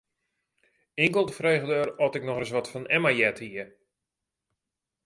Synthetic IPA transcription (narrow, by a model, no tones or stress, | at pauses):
ɪŋkəlˠtəfreːɣdəərɔtɪknɔxəs̬ʋɔtfɔnɛmajɛthiə